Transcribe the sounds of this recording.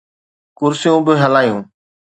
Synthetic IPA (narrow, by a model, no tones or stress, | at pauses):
kʊɾsɪjũːbɪɦəlaːjũː